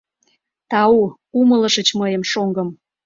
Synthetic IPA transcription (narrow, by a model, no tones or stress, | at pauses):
t̪ɑu | umələʃət͡ɕməjəmʃoŋɡə̆m